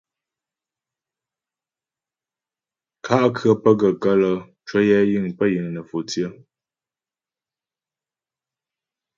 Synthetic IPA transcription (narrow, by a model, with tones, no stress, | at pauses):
kʰa˦ʔkʰɰə˦pə˦ɡə˨kə˦lə˦ | t͡ʃwə˦jɛ˦ji˦˨ŋpə˦jə˨ŋnə˨fo˨t͡sjə˦